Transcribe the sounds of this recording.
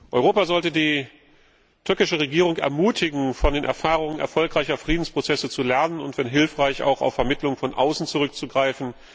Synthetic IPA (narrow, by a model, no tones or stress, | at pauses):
ʔɔʏʁoːpazɔltədiː | tʰʏɐkɪʃəʁeɡiːʁʊŋɛ̰ɐmuːtʰɪɡŋ̩fɔndeːnʔɛ̰ɐfaːʁ̞ʊŋənɛ̰ɐfɔlkʁ̥aɪçɐfʁ̥iːdn̩spʁ̥ot͡sɛsət͡sulɛɐnənʊntv̥ɛnɦɪlfʁ̥aɪça̰ʊxa̰ʊfːɛɐmɪtlʊŋfɔnʔa̰ʊsn̩t͡suʁʏk̚t͡suɡʁaɪfn̩